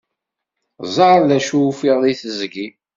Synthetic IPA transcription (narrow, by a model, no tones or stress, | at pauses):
zˤɑɾlæʃufiʁðiθəzɡi